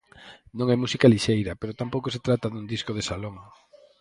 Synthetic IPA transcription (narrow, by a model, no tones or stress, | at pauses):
nõŋɛmusikaliʃejɾɐpeɾot̪ampowkoset̪ɾat̪ɐðund̪iskoð̞esaloŋ